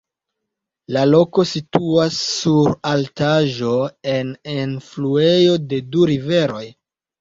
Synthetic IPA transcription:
lalo̞ko̞situasːuɾaltaʒo̞e̞nenflue̞jo̞de̞duɾive̞ɾo̞j

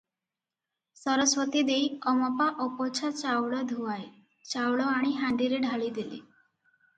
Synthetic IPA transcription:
sɔɾɔswɔt̪id̪ejɔmɔpaʔɔpɔt͡ʃʰat͡ʃawɭɔd̪ʱuae | t͡ʃawɭɔaɽ̃iɦaɳɖ̪iɾeɖʱaɭid̪ilḭ

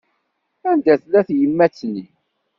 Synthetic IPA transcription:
ænd̪æθlæθjəmːæt͡sːni

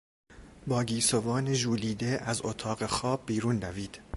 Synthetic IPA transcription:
bɒːɡiːsovɒːneʒuːliːd̪eʔæzot̪ʰɒːɣexɒːb̚ːiːɾuːnːæviːd̪̥

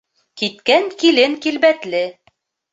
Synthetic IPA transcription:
kit̪kæŋkilɘŋkilbæt̪lɘ

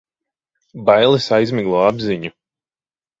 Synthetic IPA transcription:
bajlˠɨsajzmiɡlˠɔːabziɲu

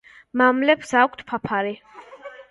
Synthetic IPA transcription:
mamlɛpsakʷʰt̪ʰpʰapʰaɾi

